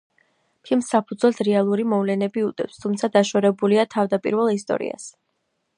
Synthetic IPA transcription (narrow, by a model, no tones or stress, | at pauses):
pʰilˠmsːapʰud̪zwɛlˠsɾɛalˠuɾimɔvlɛnɛbiut̪ʼɛ̰pst̪ʰumt̪sʰad̪aʃɔɾɛbuliat̪ʰavd̪apʼḭɾvɛlˠist̪ʼɔ̰ɾḭa̰s